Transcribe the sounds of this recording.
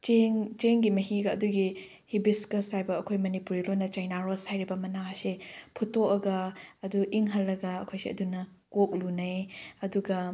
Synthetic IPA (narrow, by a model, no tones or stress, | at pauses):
t͡ʃeŋt͡ʃeŋɡimɐɦiɡɐːduɡi | hibiskɐshajbɐɐkʰojmɐnipuɾilojnːɐt͡ʃajnaɾoshajɾibɐmɐnasepʰutokɐɡɐːduʔiŋɦɐlːɐɡɐɐkʰojsiɐ̰dunɐkok̚lunɐjɐduɡɐ